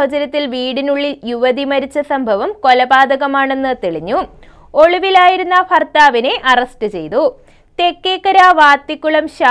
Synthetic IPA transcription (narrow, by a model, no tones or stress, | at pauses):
ɐd͡ʑɐɾɐt̪ːilʋiːɽinuɭːiljuʋɐd̪imɐɾit͡ɕːɐsɐmbʱɐʋɐmko̞lɐbaːd̪ɐɣɐmaːɳe̞nːɨt̪eɭiɲːu | o̞ɭiʋilaːjiɾunːɐpʰɐrt̪aːʋine̞ʔɐrɐstɨt͡ɕe̞̰jt̪u | t̪e̞kːeːkːɐɾaːʋaːt̪ːikʲːuɭɐmɕaː